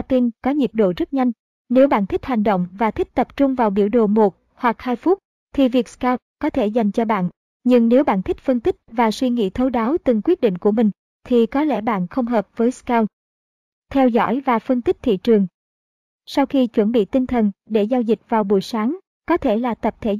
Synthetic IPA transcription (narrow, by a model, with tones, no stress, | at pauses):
t̪i˧nkɔ˨˦ɲi˨˩ət̚ɗo̰˧˨zə˦˥t̚ɲa˧jŋ̟ | ne˨˦wɓa̰ː˧˨nt̪ʰi˦˥k̚ha˨˩jŋ̟ɗo̰˧˨wŋ͡mvaː˨˩t̪ʰï˦˥k̚t̪ə˨˩p̚t͡ɕʊ˧ŋ͡mvaː˨˩wɓi˧˩əwɗo̰˧˨˩mo˨˩t̚ | hwa˨˩k̚haː˧jfʊu˦˥t̚ | t̪ʰi˨˩vi˨˩ək̚skaː˧w̚kɔ˨˦t̪ʰe˧˩za˨˩jŋ̟t͡ɕɔ˧ɓa̰ː˧˨n | ɲɨ˧ŋne˨˦wɓa̰ː˧˨nt̪ʰi˦˥k̚fə˧nt̪ï˦˥k̟̚vaː˨˩swi˧ŋḭ˧˥t̪ʰə˨˦wɗaː˨˦wt̪ɨ˨˩ŋkwi˦˥əɗḭ̈˧˨ŋ̟ku˧˩əmï˨˩ŋ̟ | t̪ʰi˨˩kɔ˨˦lɛ̰˧˩ɓa̰ː˧˨nxə˧wŋ͡mɦəː˨˩p̚vəː˨˦jskaː˧w | t̪ʰɛ˧wzɔ̰˧˥˨jvaː˨˩fə˧nt̪i˦˥k̚t̪ʰḭ˧˨t͡ɕɨ˨˩əŋ | sa˧wxi˧t͡ɕwə˧˩nɓḭ˧˨t̪i˧nt̪ʰə˨˩nɗe˧˩zaː˧wzï˨˩k̚vaː˨˩wɓṵ˧˩˨jsaː˨˦ŋ | kɔ˨˦t̪ʰe˧˩laː˨˩t̪ə˨˩p̚t̪ʰe˧˩